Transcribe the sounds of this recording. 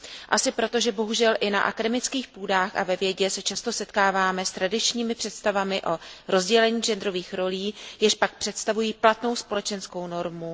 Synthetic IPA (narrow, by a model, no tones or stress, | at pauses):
ʔasɪpɾo̞t̪o̞ʒɛbo̞ɦuʒɛlʔɪna̰ʔa̰kadɛmɪt͡skiːxpuːdaːxʔa̰vɛvjɛɟɛsɛt͡ʃast̪o̞sɛt̪kaːvaːmɛst̪ɾadɪt͡ʃɲiːmɪpr̥ɛt̪st̪avamɪʔo̞ɾo̞zɟɛlɛɲiːʒɛnd̪ɾo̞viːxɾo̞liːjɪʃpak̚pr̝̥ɛt̪st̪avujiːplat̪no̞wspo̞lɛt͡ʃɛnsko̞wno̞ɾmu